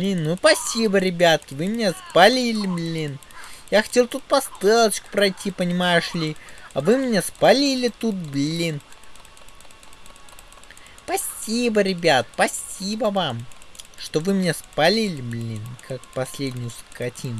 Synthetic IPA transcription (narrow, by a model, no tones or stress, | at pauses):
blʲinːupɐsʲibəɾʲɪbʲat̪̚kʲɪvɨmʲɪnʲespɐlʲilʲɪblʲinjaxɐ̥tʲe̞lˠt̪ut̪̚pɐst̪elˠət͡ɕkʊ̥pɾɐjtʲipənʲɪmajʊʂlʲiɐvɨmʲɪnʲaspɐlʲilʲɪt̪ut̪̚blʲin | pɐsʲibəɾʲɪbʲat̪pɐsʲibəvamʂt̪o̞vɨmʲɪnʲespɐlʲilʲɪblʲinkʰakpɐsʲlʲedʲnʲɪjʊskɐtʲin